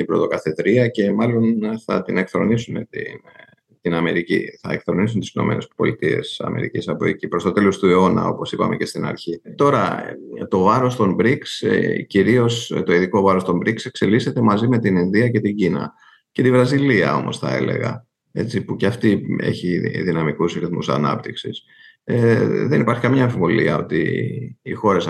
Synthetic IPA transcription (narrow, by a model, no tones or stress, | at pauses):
ibɾo̞t̪o̞kɐθe̞t̪ɾiɐce̞mɐlo̞nθɐ̰t̪ine̞kθɾo̞̰nisunet̪in | t̪inɐme̞ɾicḭθɐ̰ekθɾo̞nisunt̪i̥sino̞̰me̞̰ne̞spo̞̰lit̪ie̞̰sɐ̰me̞̰ɾḭcisɐpo̞ecipɾo̞st̪o̞t̪e̞lo̞st̪ue̞o̞nɐ̰o̞po̞sipɐme̞̰ce̞st̪inɐ̰ɾçit̪o̞ɾɐ̰t̪o̞vɐɾo̞st̪ombɾiksciɾio̞st̪o̞iðiko̞vɐɾo̞st̪o̞mbɾikse̞kse̞list̪e̞t̪e̞mɐzime̞t̪ininðiɐce̞t̪iɲɟinɐ̰ | ce̞t̪ivɾɐziliɐ̰o̞̰mo̞̰sθɐe̞̰le̞̰ɣɐ̰ | e̞t͡sipuceɐft̪ie̞̰çiðinɐmikusɾiθmṵsɐ̰nɐ̰p̚t̪iksis | ðenipɐɾçi̥kɐmɲɐeɱfivolḭɐo̞t̪ḭː | xo̞ɾes